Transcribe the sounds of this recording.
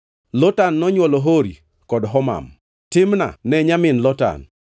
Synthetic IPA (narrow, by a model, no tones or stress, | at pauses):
lɔtanːɔɲwɔlɔɦoɾi | kɔdɦɔma̰m | tɪmna̰nɛɲamɪnlɔta̰n